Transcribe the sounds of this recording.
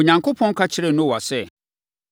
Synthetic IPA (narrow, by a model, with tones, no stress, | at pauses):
o˨ɲã˨ŋkʰo˦pʰɔ̃˦ŋ̩˦kʰa˦t͡ɕʰɪ˦ɾɛ˦˨nʊ̃˦wa˨sɛ˦